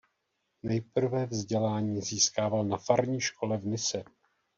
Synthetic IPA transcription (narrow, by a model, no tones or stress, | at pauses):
nɛjpr̩vɛvzɟɛlaːɲiːziːskaːvalnafaɾɲiːʃkʰo̞lɛvnɪsɛ